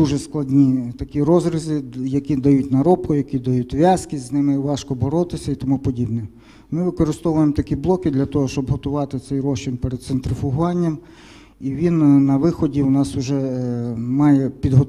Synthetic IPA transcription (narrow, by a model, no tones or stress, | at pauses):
d̪uʒɛsklˠɐdʲnʲit̪ɐkʲiɾɔzɾɪzɪjɐkʲid̪ɐjutʲnɐɾɔpkʊjɐkʲid̪ɐjutʲʋʲjɑskiznɪmɪiʋɑʃkɔbɔɾɔt̪ɪsʲɐit̪ɔmupɔdʲibnɛ | mɪʋɪkɔɾɪst̪ɔʋʊjemt̪ɐkʲiblˠɔkɪd̪lʲɐt̪ɔɦɔʃt͡ʃɔbɦɔt̪ʊʋɑt̪ɪt̪sɛjɾɔʃt͡ʃɪnpɛɾed̪̚sent̪ɾɪfʊɦʋɑnʲːɐm | iʋʲinnɐʋɪxɔdʲiwnɑsʊʒɛ | mɑjɛpʲid̪ɦɔ